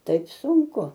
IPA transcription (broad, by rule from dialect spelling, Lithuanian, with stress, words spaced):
ˈtɐɪp sʊŋˈkʊ